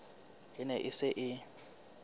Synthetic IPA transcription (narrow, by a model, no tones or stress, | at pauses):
ɪnɛʔɪsɪʔɪ